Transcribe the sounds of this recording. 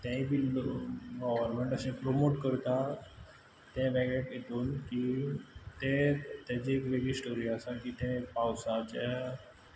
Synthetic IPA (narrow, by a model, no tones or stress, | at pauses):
t̪ãĩbʱi | ɡɔʋəɾmẽɳʈəsẽpɾomoʈkəɾt̪a | t̪jɛ̃ʋɛɡeʈit̪uːnki | t̪ẽt̪ãd͡ʑiekɾeɡisʈoɾiasãkit̪ɛ̃pawsat͡ɕɛ